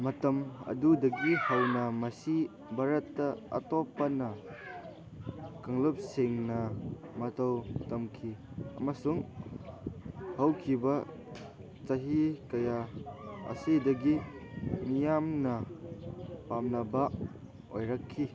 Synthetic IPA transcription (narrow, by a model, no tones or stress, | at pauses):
mɐtɐmɐ̰dudɐɡihɐwnɐmɐsi | bʱaɾɐtːɐɐ̰tɔpanɐ | kaŋlup̚siŋnɐmɐtowtɐmkʰi | ɐ̰masuŋ | hɐwkʰibɐ | t͡ʃɐɦikɐjaɐ̰sidɐɡinijamnɐ | pamnɐba | ojɾakʰːi